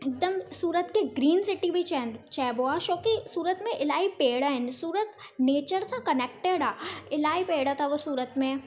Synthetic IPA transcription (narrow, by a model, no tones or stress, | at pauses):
ek̚d̪əmsuːɾət̪keɡɾiːnsɪʈibʱit͡ʃɛt͡ʃɛːboːaʃoːkisuːɾət̪mẽʔɪlaːipeːɽaɦɪnsuːɾət̪ | neːt͡ʃəɾsʰakɐneːk̚ʈeɽaːɪlaːipeːɽat̪ʰaʋosuːɾət̪mẽ